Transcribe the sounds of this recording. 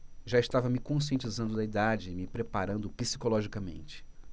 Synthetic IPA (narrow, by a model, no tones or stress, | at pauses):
ʒaɪʃt̪avɐmɪkõs̬iẽnt͡ʃizɐ̃nd̪ʊd̪ɐid̪ad͡ʒɪːmɪpɾepaɾɐ̃nd̪ʊpisi̥kolɔʒikɐmḛ̃nt͡ʃɪ̥